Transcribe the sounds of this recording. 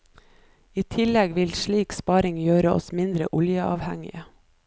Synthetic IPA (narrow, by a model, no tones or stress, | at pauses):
iːt̪ʰɪlɛɡʋɪlʃɭiːkspɑːɾɪŋjøːɾəʔɔ̰smɪnd̪ɾə̰ʔʊljəʔɑːʋhɛ̰ŋɪ̰ə